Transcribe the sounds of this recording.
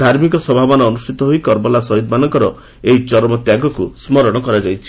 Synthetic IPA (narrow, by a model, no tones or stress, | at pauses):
d̪ʱaɾmikɔsɔbʱabanɔːnusʈʰit̪ɔɦoikɔɾbɔlasɔɦid̪manɔŋkɔɾɔ | ejt͡ʃɔɾmɔt̪jaɡɔkusmɔɾɔɽ̃ɔkɔɾad͡ʒajt͡ʃʰi̥